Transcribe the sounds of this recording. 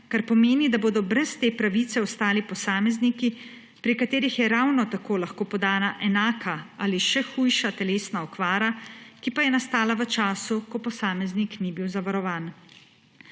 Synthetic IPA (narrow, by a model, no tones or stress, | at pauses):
kaɾpɔmeːnid̪aboːd̪ɔbɾɛst̪eːpɾaʋiːt̪sɛɔst̪aːlipɔsaːmɛzniki | pɾikat̪eːɾixjɛɾawnɔt̪akoːlaxkoːpɔd̪aːnaʔɛnaːkʰaaːliʃɛxuːjʃat̪ɛleːsnaɔkʋaːɾakipajɛnast̪aːlaʋət͡ʃaːsukɔpɔsaːmɛzniknibiwzaʋaɾɔʋaːn